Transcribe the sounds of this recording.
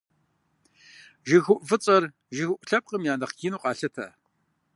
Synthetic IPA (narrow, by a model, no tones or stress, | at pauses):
ʒɪxʊʔvɨt͡sʼɐr | ʒɪxʷʊʔʷɬɐp̚qəmjaːnɐχɡ̥ɪnuːqʼɑːɬɐtʰɐ̰